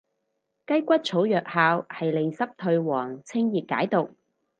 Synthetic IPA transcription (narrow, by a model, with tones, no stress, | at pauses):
kɐ˥jkʷɐ˥t̚t͡sʰo˨˥wjœː˨k̚haː˧whɐ˨jle˨˧jsɐ˥p̚t̪ʰɵ˧ɥwɔː˨˩ŋt͡sʰɪ˥ŋjiː˨p̚ka̰ː˨˥jt̪ʊ˨k̚